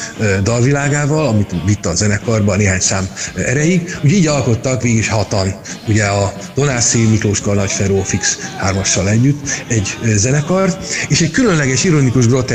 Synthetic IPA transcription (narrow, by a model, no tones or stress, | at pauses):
d̪ɒlvilaːɡaːvɒlɒmit̪vit̪ːɒːzɛnɛkɒrbɒneːɦaːɲsaːmɛɾɛjiɡuɟiːɟɒlko̞t̪ːɒkʋeːɡiʃhɒt̪ɒnuɟɛɒ | d̪̥o̞naːsimikloːʃkɒnɒcfɛɾoːfikshaːrmɒʃːɒlɛɟːyt̪ːɛɟzɛnɛkɒrt̪eːʃɛɟkylø̞nlɛɡɛʃiɾonikuʒɡro̞t̪ɛ